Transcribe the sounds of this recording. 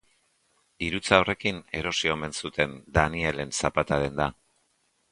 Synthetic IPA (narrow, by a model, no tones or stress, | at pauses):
iɾut͡saore̞kine̞ɾo̞sio̞me̞nsut̪e̞nd̪anie̞le̞nsapat̪aðe̞nd̪a